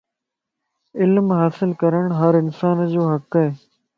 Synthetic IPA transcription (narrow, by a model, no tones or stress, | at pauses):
ɪlmɦaːsɪlkəɾəɳ̃ɦəɾɪnsaːnd͡ʑoːɦəkɦeː